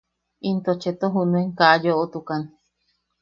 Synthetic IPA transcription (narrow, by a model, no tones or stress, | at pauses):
int̪ot͡ʃet̪oɦunueŋkaʔajoʔot̪ukan